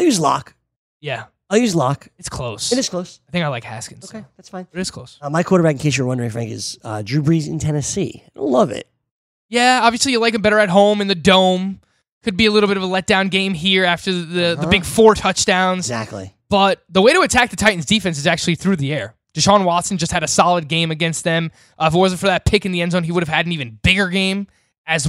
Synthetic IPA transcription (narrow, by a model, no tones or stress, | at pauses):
jʉzlɑ̰k | jæ | əjʉzlɑkɨtskʰl̥oʊsɨɾɨz̥kʰl̥oʊsaɪθɪ̃ŋkaɪlaɪkhæ̰skɨ̃n̩zoʊ̥kʰeɪðætsfãɪ̃nʌɾɨtskʰl̥oʊsmaɪkʰw̥oʊɾə˞bækɪ̃kʰeɪʃə˞wʌ̃ndə˞ɪ̃ŋfɹæ̰̃ŋkɨ̰z̥ʌ̰dɹʉbɹizɨ̰̃ntʰɛnɨsḭõ̰lʌvɪ̰t̚ | jæɑbviɨslijɨlaɪkɨn̩bɛɾə˞ɨt̚ɦõʊ̃mɨ̃nðɨdõʊ̃m | kʰɨd̚biɨlɪɾl̩ˠbɪɾʌvəlɛt̚d̥ãʊ̃nɡẽɪ̃mɦiɹæftə˞ðɨðɨbɪɡ̥fɔɹtʰʌt͡ʃd̥ãʊ̃nz̥zæ̰k̚tˡlḭb̥ʌt̪̚ðəweɪɾəɨtʰæk̚ðɨtʰaɪʔn̩zdifɛ̃ns̬ɨzæk̚t͡ʃʉl̩ˠiθɹʉðiɛɹ | d̥ɨʃɑ̃nwɑtsn̩d͡ʒʌst̚hɨɾɨsɑlˠəd̚ɡẽɪ̃mɨɡɛ̃nst̪̚ðɨ̃m | ʔʌɪft̚wʌz̃n̩fə˞ðɨt̚pʰɪkɨ̃n̩ðiɛ̃nzõʊ̃niwʊɾɨv̥ɨɾn̩ivɨ̃n̩b̥ɪɡə˞ɡẽɪ̃m | ɨz